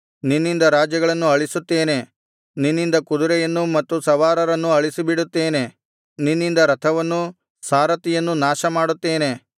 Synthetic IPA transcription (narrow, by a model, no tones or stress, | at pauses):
ninːind̪ɐɾaːd͡ʒjɐɡɐɭɐnːuɐɭisut̪ːe̞ːne̞ | ninːind̪ɐkud̪uɾɛjɐnːumɐt̪ːusɐʋaːɾɐɾɐnːuɐɭisibiɽut̪ːe̞ːne̞ | ninːind̪ɐɾɐt̪ʰɐʋɐnːu | saːɾɐt̪ijɐnːunaːʃɐmaːɽut̪ːe̞ːne̞